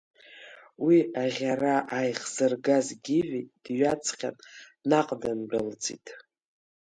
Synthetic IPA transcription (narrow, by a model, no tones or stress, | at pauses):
wiaʁʲaraʔajχz̥ɨrɡazɡʲɪʕᶣid̥ɥat͡sʰχʲa̰n | naqʼdanbald͡zʼḭtʼ